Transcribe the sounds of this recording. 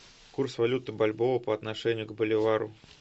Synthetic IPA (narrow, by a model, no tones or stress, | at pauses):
kursvɐlʲut̪ɨbalʲbovəpəɐt̪nɐʂɛnʲɪjʊɡbəlʲɪvaɾʊ